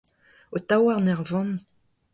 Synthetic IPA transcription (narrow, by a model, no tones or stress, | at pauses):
ot̪awaʁnɛʁvɔ̃n